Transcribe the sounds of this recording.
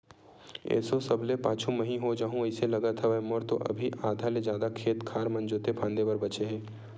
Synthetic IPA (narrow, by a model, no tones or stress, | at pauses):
ḛːsosɐblepaːt͡ʃʰũmɐɦĩɦod͡ʒaːɦũɪselɐɡət̪ʰɦɛʋɛmɔɾt̪oʔɐ̰bʱiʔaːd̪ʱaled͡ʒjaːd̪akʰeːt̪kʰaːɾmɐ̃nd͡ʒoːt̪epʰãːnd̪ebəɾbɐt͡ʃeɦɛ̃ː